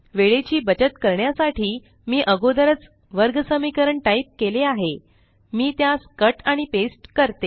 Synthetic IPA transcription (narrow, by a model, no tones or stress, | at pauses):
ʋeɭet͡ɕiːbət͡ɕət̪kəɾɳjasaʈʰiː | miːʔəɡod̪əɾət͡s | ʋəɾɡsəmikəɾəɳʈaip̚keleaɦe | miːt̪jaskəʈaɽ̃ipesʈkəɾt̪e